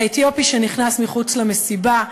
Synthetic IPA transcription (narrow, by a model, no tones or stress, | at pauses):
et̪jo̞piʃeniχnasmiχut͡slame̞siba